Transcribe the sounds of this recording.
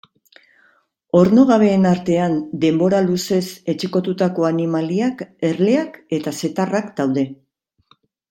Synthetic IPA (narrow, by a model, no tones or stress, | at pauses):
o̞ɾno̞ɣaβ̞e̞ːnaɾt̪e̞and̪e̞mbo̞ɾaluse̞se̞t͡ʃiko̞t̪ut̪ako̞animaliake̞ɾle̞ake̞t̪ase̞t̪arakd̪awðe̞